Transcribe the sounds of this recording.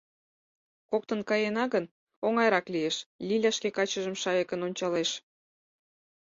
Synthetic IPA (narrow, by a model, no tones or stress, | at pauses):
kok̚t̪ənkɑjenɑɣən | oŋɑjɾɑklijeʃlʲilʲæʃkekɑt͡ɕəʒəmʃɑjɤkənonʲt͡ɕɑleʃ